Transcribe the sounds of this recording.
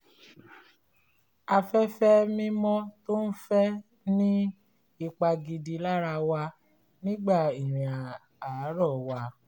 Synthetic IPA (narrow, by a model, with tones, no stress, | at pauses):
a˧fɛ˦fɛ˦mĩ˦mɔ̃˦to˦n̩˦fɛ˦ | nĩ˦ | i˧k͡pa˧ɡi˧di˧la˦ɾa˧wa˧ | nĩ˦ɡ͡ba˦˨i˨ɾ̃ĩ˨a˨ | a˨˦ɾɔ˦˨wa˧